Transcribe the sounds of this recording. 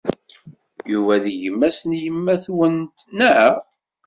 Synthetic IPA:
juvæðʝəmːæsnjəmːæθwənt̪næəʁ

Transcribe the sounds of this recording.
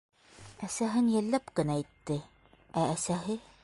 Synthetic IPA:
æsæɦɘnjælːæpkɘ̆næit̪ːɘ | æːsæɦɘ

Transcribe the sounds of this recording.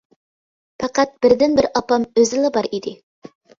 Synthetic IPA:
pʰɑqɑt̪̚bɪɾd̪ɪnbɪɾʔɑpɑmøzɪlˠɪbɑɾid̪ɪ

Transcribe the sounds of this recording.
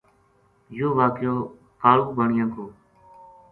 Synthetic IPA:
joːʋaːkjoː | t̪aːɭuːkbəɳɪjãːkoː

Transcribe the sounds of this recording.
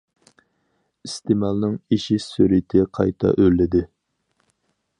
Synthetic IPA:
ist̪ʰɪmɑlˠnɨŋiʃisøɾɪt̪ʰɪqʰɑ̰jt̪ʰɑ̰ʔølːɪd̪ɪ

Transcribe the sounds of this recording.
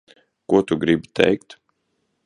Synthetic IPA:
kuɔt̪uɡɾibʲit̪ɛ̰jkt̪

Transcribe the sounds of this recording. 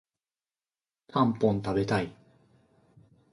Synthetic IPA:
t̪ʰãmpõnt̪abe̞t̪ai

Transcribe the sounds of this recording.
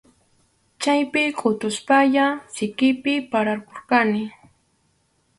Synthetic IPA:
t͡ʃajpɪkʼʊt̪ʊspaʎasɪkɪpɪpaɾaɾkoɾkanɪ

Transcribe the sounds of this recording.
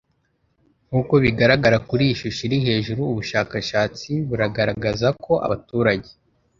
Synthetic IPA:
ŋ̥uːko̞βiɡaɾaɡaɾakuɾiʃuʃiɾihe̞ːʒuɾuːβuʃaːkaʃaːt͡siβuɾaɡaɾaɡazako̞ʔa̰βatuːɾaɟe̞

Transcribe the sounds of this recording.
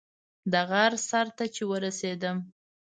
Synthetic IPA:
d̪aɣaɾsaɾt̪at͡ʃewəɾased̪əm

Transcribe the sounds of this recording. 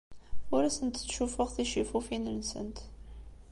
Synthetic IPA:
ʊɾæsənt̪t͡sːʃufʊʁθiʃifufinənsə̰nt̪

